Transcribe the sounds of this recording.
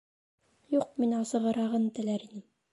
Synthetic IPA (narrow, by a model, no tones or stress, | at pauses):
juq̚minɑsɤ̆ʁɤ̆ɾɑʁɤnt̪ɘ̆læɾinɘm